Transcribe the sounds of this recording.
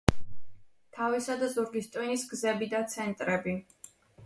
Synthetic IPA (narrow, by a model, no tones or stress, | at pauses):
t̪ʰavisad̪azuɾɡist̪ʼinisɡzɛbid̪at̪sʰɛnt̪ʼɾɛbi